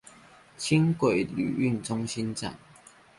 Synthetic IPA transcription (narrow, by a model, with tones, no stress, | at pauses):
t͡ɕʰi˦nkwe˨˩ɪly̰˨˩y˥˨nt͡sʊ˦ŋɕi˦nt͡sa̰˨n